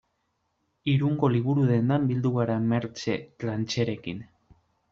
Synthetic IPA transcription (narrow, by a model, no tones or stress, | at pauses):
iɾuŋɡo̞liβ̞uɾuðe̞nd̪ambild̪uɣaɾame̞ɾt͡ʃe̞lant͡ʃe̞ɾe̞kin